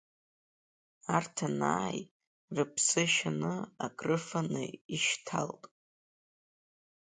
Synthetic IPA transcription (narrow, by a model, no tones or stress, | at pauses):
artʰanaːj | rɨpʰsɨʃanɨaɡrɨfanɨ̰iʃtʰa̰ltʼ